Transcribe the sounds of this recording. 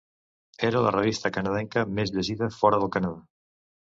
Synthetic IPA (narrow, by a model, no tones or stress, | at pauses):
ɛɾalɐ̰reβ̞ist̪ɐkanaðɛŋkɐmezβeziðɐfɔɾɐðəlˠkanaða